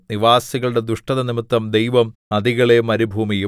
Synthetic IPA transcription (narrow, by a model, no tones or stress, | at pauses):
niʋaːsiɣɐɭuɽe̞d̪uʂʈɐðɐnimit̪ːɐmd̪ejʋɐmɐðiɣɐɭemɐɾibʱuːmiju